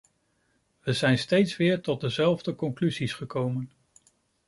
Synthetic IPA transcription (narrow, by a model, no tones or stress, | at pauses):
ʋəzɛjnstejtsʋɪːɹtɔt̚dəzɛlˠvdəkɔŋklyzisχəkowmən